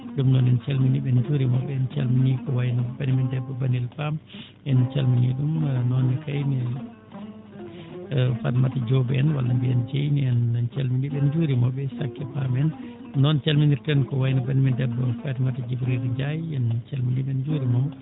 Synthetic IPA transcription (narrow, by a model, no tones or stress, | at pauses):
ɗumnɔnɛnt͡ʃalminiɓɛnd͡ʒuːɾimɔbɛɛnt͡ʃa̰lminikɔwajinɔbanimindɛbːɔbanilpam | ʔɛnt͡ʃalminiɗumnɔnikajni | fatimatad͡ʒɔbɛɛnwa̰lːambiɛnd͡ʒejniɛnnt͡ʃalminiɓɛnd͡ʒuɾimɔbɛsakːɛpamɛnː | ɔnt͡ʃalminiɾtɛnkɔwajinɔbanimidɛbːɔfatimatad͡ʒibɾiɾiɲd͡ʒajɛnt͡ʃalminiɓɛnd͡ʒuːɾimɔ